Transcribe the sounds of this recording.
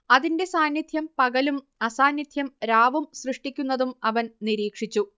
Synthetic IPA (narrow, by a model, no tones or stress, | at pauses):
ɐðinde̞saːnjɐd̪ʱjɐmpɐɣɐlum | ɐsaːnjid̪ʱjɐmɾaːʋumsrɨʂʈikʲːunːɐðumɐʋɐnniɾiːkʂit͡ɕːu